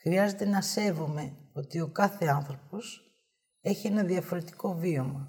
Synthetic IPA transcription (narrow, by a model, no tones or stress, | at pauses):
xɾiɐze̞t̪e̞nɐse̞vume̞o̞t̪io̞kɐθe̞ɐnθɾo̞po̞s | e̞çie̞nɐðiɐfo̞ɾe̞t̪i̥ko̞vio̞mɐ